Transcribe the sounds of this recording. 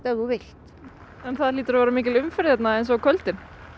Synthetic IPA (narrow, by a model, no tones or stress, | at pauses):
t̪ɛɣʏvɪl̥t̪ | ɛnθaðliːt̪ʏɾavaːɾamiːcɪlʏmfɛɾθɛt̪naɛjns̬ɔakʰœlt̪ɪn